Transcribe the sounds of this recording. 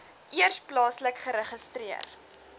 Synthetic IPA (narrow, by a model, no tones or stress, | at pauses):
ʔiərsplɑːsləkχəɾəχəstriə̰r